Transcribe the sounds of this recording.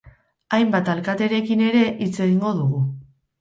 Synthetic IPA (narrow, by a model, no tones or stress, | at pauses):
ajmbat̪alkat̪e̞ɾe̞kine̞ɾe̞ʔit͡se̞ɣiŋɡo̞ðuɣ̞u